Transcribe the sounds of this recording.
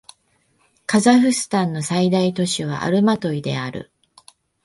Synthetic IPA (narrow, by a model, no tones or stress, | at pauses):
kazaɸɯ̟sɨ̥t̪ãnːo̞said̪ait̪o̞ɕiβ̞a̰ʔa̰ɾɯ̟mat̪o̞id̪e̞̰aɾɯ̟̰